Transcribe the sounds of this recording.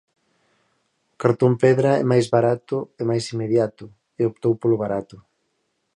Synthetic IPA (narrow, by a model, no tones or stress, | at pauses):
kaɾt̪ompɛðɾaɛ̰majzβaɾat̪ʊemajsimːeðjat̪ʊ | eopt̪owpolʊβaɾat̪ʊ